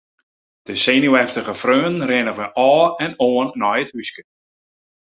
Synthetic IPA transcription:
d̥əsenuɛftəɣəfrøːnnrɪnəvəʔɔːɛnoːənːɔjəthyskə

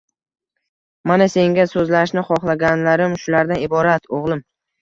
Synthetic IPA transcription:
manase̞ŋɡʲasɵzlaʃnɪχɒχlˠaɡʲanlaɾɪmʃʊlaɾd̪anɪbɒɾat̪ʰoʁlˠɪm

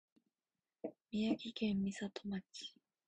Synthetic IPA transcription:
mʲiakʲikẽmːʲisat̪omat͡ɕi̥

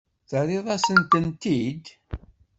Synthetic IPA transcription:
θəɾɪðˤɑsənt̪ənt̪id̪

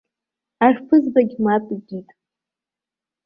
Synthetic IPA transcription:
arpʰɨzbaɡʲmapʼiɡʲitʼ

